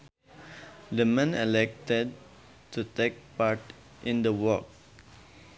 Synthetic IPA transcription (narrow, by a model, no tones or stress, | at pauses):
d̪əmɛ̃nɛlɛk̚ted̚ | tutek̚paɾʈ | ʔɪ̃nd̪əwɔk̚